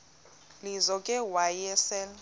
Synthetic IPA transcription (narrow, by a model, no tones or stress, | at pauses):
lizɔkʼɛwajɛsɛl